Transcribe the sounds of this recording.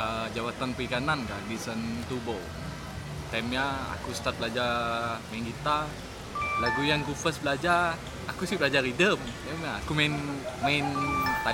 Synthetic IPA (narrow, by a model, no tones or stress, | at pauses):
əd͡ʒawat̪anpəikanankadisənt̪ubɔl | t̪ɛmjaa̰kust̪at̪̚bəlad͡ʒamainkit̪a | laɡujaŋɡufəsbəlad͡ʒa | akusibəlad͡ʒaɾidəmt̪ɛmjaːkumanmaɪnt̪a